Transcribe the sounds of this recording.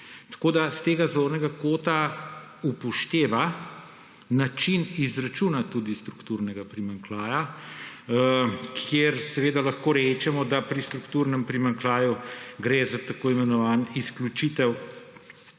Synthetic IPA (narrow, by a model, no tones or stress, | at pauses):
t̪ḁkoːd̪ast̪eːɡazoɾnɛɡakoːt̪a | upɔʃt̪eːʋa | nat͡ʃinizɾat͡ʃunat̪ud̪ist̪ɾukt̪uɾnɛɡapɾimaŋklaːja | kʰjeɾsɛʋeːd̪alaxkoːɾɛːt͡ʃɛmɔd̪apɾist̪ɾukt̪uːɾnɛmpɾimaŋklaːjuɡɾezat̪akoːimɛnɔʋaːnisklʲut͡ʃit̪ɛw